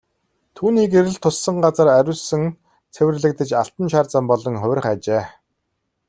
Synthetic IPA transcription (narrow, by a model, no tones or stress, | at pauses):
t̪ʰuːniːkeɾɘ̆ɮt̪ʰʊsːə̆ŋɢat͡sə̆ræɾʲʊːɮsɘ̆ŋ | t͡sʰewʲɘ̆rɮɘ̆k̚t̪ə̆t͡ɕaɬt̪ə̆nʃaːrt͡sə̆mpɔɮɞ̆ŋχʊw̆ʲr̆χat͡ɕeː